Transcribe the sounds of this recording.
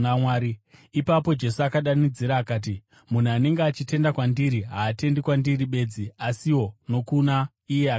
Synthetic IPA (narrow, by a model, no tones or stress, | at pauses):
waːɾiipapo̞d͡ʒe̞suakaɗanid͡ziɾaːkaːt̬i | mun̤uane̞ŋɡeat͡ʃite̞ndakwandiɾiɦaːte̞ndikwandiriɓe̞ːd͡ziasiwo̞no̞kuna | ije̞a